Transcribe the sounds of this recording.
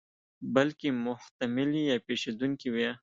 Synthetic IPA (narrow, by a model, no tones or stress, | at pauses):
balkemʊht̪amɪlijɑpeʃed̪uŋkiwja